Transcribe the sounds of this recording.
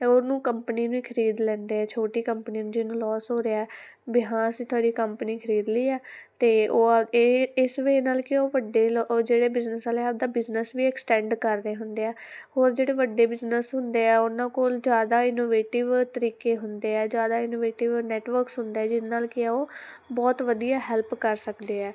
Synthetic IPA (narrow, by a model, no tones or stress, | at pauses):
onũːkəmpəniːnũiːkʰəɾiːd̪lɛ̃ːnd̪eːɛːt͡ʃʰoːʈiːkəmpəniːnũːd͡ʒɪnũːlɔːsɦoːɾeːaɛː | bɪɦãːəsĩːt̪ʰʊaːɖiːkəmpniːkʰəɾiːd̪liːɛːt̪eːoː | ɪsʋeːnaːlkɪoːʋəɖːeːld͡ʒeːɽeːbɪznəsaleabd̪aːbɪznəsʋiːɛksʈɛ̃ːɳɖkəɾːeːɦʊnd̪eːɛːɦoːɾd͡ʒeːɽeːʋəɖːeːbɪznəsɦʊnd̪eːɛːʊnãːkoːld͡ʒjaːd̪aːɪnoːʋeːʈɪʋt̪əɾiːkeːɦʊnd̪eːɛːd͡ʒjaːd̪aːɪnoːʋeːʈɪʋnɛːʈʋəɾksɦʊnd̪eːɛːd͡ʒɪnːaːlkɪaːoː | bɔːt̪ʋəd̪ijaːɦɛlpkəɾsəkd̪eːɛː